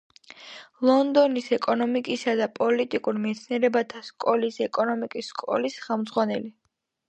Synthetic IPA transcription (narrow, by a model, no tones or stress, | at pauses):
lˠɔnd̪ɔnisɛkʼɔnɔmikʼisad̪apʼɔlit̪ʼikʼuɾmɛt̪sʰniɛɾɛbat̪ʰaskʼɔlisɛkʼɔnɔmikʼisːkʼɔ̰lisχɛlˠmd̪zʁwanɛli